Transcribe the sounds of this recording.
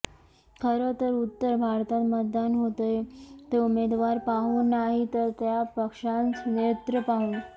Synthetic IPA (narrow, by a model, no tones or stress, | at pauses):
kʰəɾət̪əɾut̪ːəɾbʱaɾt̪at̪mət̪̚d̪anɦot̪əjt̪eumed̪ʋaɾpaɦuːnːaɦit̪əɾt̪japəkʂãnt͡snet̪ɾəpaɦuːn